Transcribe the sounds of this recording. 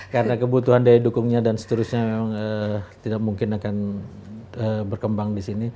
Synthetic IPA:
kaɾənakəbut̪uɦandiadukʊŋɲadansə̥t̪əɾʊsɲamemaŋət̪idak̚muŋkɪnakan | əbərkəmbaŋdisini

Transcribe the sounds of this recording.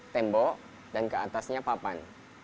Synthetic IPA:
t̪ɛmbɔ | dankəat̪asɲapapan

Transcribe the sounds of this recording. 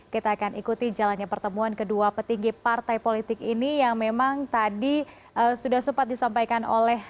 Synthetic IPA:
kit̪aːkanikut̪id͡ʒalanɲapərt̪əmuankəduapət̪iŋɡipart̪ajpolit̪ɪkinijaŋmemaŋt̪adi | ʔəsudahsəpat̪̚disampajkano̰lɛh

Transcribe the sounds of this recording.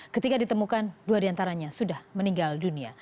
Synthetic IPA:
kət̪ikadit̪əmukanduadiant̪aɾaɲasudahməniŋɡaldunia̰

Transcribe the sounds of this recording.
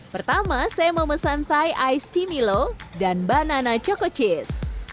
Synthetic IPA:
pərt̪amasajaməməsant̪ajʔajst̪imilodanbananat͡ʃɔkɔt͡ʃɪs

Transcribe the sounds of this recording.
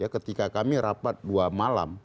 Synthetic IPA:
jakət̪ikakamiɾapat̪̚duamala̰m

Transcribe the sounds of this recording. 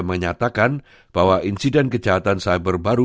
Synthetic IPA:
məɲat̪akan | b̥awaʔinsidɛnkəd͡ʒaɦat̪ansajbərbaɾu

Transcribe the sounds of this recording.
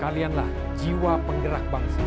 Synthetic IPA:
kalianlah | d͡ʒiwapəŋɡəɾak̚baŋsa

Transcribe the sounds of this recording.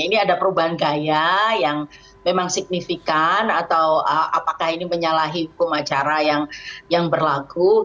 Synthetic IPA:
iniadapəɾubaɦankajajaŋ | memaŋsik̚nifikanat̪awəa̰pakahiniməɲalaɦiɦukʊmat͡ʃaɾajaŋjaŋbərlaɡu

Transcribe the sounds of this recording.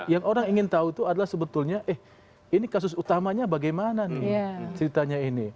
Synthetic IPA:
jaŋoɾaŋiŋɪnt̪aut̪uadalahsəbət̪ʊlɲaʔɛh | inikas̬ʊsut̪amaɲabaɡajmananɪat͡ʃəɾit̪aɲaini

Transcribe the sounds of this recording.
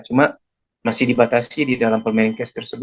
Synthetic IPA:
t͡ʃuma | masidibat̪asididalampərmɛɾiŋkɛst̪ərsəbu

